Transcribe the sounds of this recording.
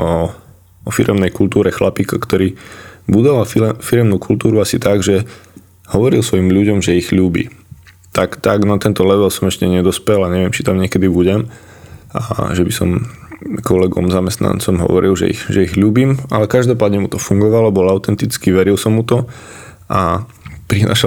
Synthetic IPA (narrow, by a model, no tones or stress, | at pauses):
ɔ | ɔfiɾɛmnɛjkult̪uːɾɛxlapiːkɔkt̪ɔɾiːbud̪ɔʋalfiɾɛmnukʰult̪uːɾuasit̪aɡʒɛ | hɔʋɔɾilsʋɔjimʎuɟɔmʒɛiɣʎuːbḭː | t̪akt̪aɡnat̪ɛnt̪ɔlɛʋɛlsɔmɛʃcɛɲɛd̪ɔspɛlaɲɛʋɪɛmt͡ʃi̥t̪amɲɪɛkɛd̪ibuɟɛm | ʔa̰ʒɛbisɔ̰mkɔlɛɡɔ̰mzamɛst̪na̰nt͡sɔmɦɔ̰ʋɔɾilʒɛ̰ḭxʒɛiɣʎuːbiːma̰lɛkaʒd̪ɔpaːd̪ɲɛmut̪ɔfuŋɡɔʋalɔbɔlaʊt̪ɛnt̪it͡skiʋɛɾilsɔmːut̪ɔ | ʔa | pɾina̰ːʃa